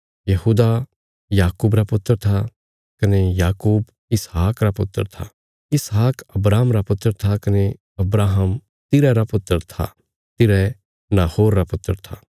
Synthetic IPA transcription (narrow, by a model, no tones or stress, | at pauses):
jɐhuːd̪a | jaːkuːbɾapʊt̪ːəɾt̪ʰa | kɐnejaːkuːb | ɪsɦaːkɾapʊ̰t̪ːə̰ɾt̪ʰa̰ | ɪsɦaːkɐbɾaːɦəmɾapʊt̪ːəɾt̪ʰakɐne | ɐbɾaːɦəm | t̪ɪɾɛɾapʊt̪ːəɾt̪ʰa̰ | t̪ɪɾɛ | naːhoːɾːapʊt̪ːəɾt̪ʰaː